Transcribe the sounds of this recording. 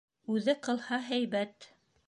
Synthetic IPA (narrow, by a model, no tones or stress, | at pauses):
ʉðɘqɤ̆lˠhɑɦæjβæt̪